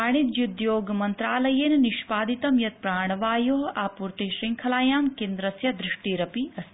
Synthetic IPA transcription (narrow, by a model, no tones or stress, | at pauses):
aːɳ̃it̪jud̪joːɡmɐnt̪ɾaːlɐjeːnniʃpaːd̪it̪ɐmjɐt̪̚pɾaːɳ̃ɐʋaːjoːɦaːpuɾt̪iʃɾiŋkʰɐlaːjaːmkeːnd̪ɾɐsjɐd̪ɾɪʂʈiɾɐpiɐs